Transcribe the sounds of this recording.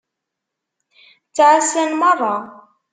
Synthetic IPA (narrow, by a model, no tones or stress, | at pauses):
t͡sːʕasænmɑrˤɑ